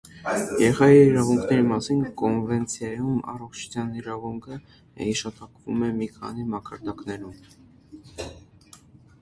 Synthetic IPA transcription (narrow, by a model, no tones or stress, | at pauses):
jɛɾɛχɑjiːɾɑvuŋkʰnɛɾimɑsinkɔnvɛnt͡sʰjɑjumɑ̰rɔχt͡ʃʰu̥t͡sʰjɑniɾɑvuŋkʰə | hiʃɑt̪ɑkvumɛmikʰɑ̰nimɑkɑɾd̪ɑknɛɾum